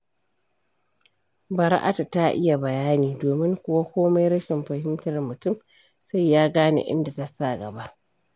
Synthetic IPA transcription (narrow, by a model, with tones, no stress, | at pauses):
bɐ˨ɾa̰˦ʔa̰˨ta˨ta˦ʔɪ̰˦ja˨bɐ˨jaː˦niː˨doː˨mɪ˦ŋkʷʊ˦wa˦kʷoː˦ma˦jɾɐ˦ʃɪ˨mɸɐ˨hɪ˦mtɐ˨rmʊ˨tʊ˦˨m | sa˦jːaː˦ɡaː˦nḛ˨ʔɪ̰˦nda˨ta˨sa˦˨ɡɐ˨ba˦ʔ